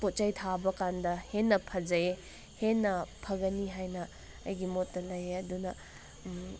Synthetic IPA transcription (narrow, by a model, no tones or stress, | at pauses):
pot̚t͡ʃɐjtʰabɐkandɐhenːɐpʰɐd͡ʒɐe | henːɐpʰɐɡɐniɦajnɐ | ɐjɡimotːɐlɐjeɐdunɐ